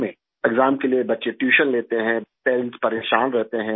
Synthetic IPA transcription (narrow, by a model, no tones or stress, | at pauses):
mẽ | ɛɡzaːmkelijebɐtːʃeʈjuːʃənleːt̪eɦɛ̃peːllspɐɾeːʃaːnɾɛɦt̪eɦɛ̃